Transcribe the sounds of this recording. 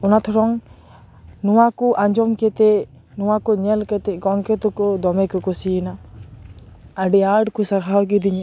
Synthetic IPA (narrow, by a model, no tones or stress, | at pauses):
ɔnat̪ʰɔɾɔŋ | nuwakɔʔaɲd͡ʒɔmkɛt̪ɛ | nɔwakɔɲɛlkɛt̪ɛɡɔŋkɛt̪ukɔd̪ɔmɛkɔkɔsina | aɖiaɖkusaɾɦawkid̪iɲ